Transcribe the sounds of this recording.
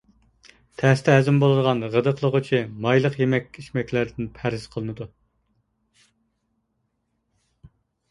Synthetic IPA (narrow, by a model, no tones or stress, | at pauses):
t̪ʰæst̪ʰɛɦæzɪmbolˠɨd̪əʁɑnʁəd̪əqʰlˠəʁət͡ʃʰimɑjlˠəqjemɛkʲːiʃmɛkʲlæɾd̪ɪnpʰæɾɪzqʰəlˠɨnɨd̪u